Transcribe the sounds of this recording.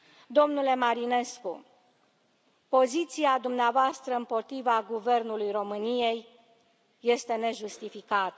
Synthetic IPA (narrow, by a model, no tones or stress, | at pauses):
d̪o̞mnule̞maɾine̞sku | po̞zit̪siad̪umneavoast̪ɾəɨmpo̞t̪ɾivaɡuve̞rnulujro̞mɨnije̞jː | e̞st̪e̞ne̞ʒust̪ifikat̪ə